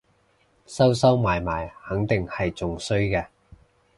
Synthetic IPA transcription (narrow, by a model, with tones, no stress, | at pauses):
sɐ˥wsɐ˥wmaː˨˩jmaː˨˩jhɐ˨˥ŋt̪ɪ˨ŋhɐ˨jt͡sʊ˨ŋsɵ˥ɥkɛː˧